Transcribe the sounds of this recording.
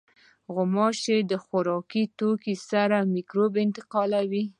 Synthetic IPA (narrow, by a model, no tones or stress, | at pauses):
ɣʊmɑʃed̪əxʊɾɑkit̪okisaɾamikɾobɪnt̪ɪqɑlawi